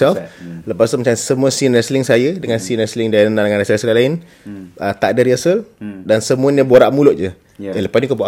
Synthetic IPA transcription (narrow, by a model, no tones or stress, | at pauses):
ɛlfləpast̪umat͡ʃamsəmuasinəslɪŋsajədəŋansinəslɪŋdanadŋanɾasaslalaɪn | ʔət̪aʔdəɾiasəldansəmũanəboɾaʔmulʊʔd͡ʒə | daləpasnikuboʔa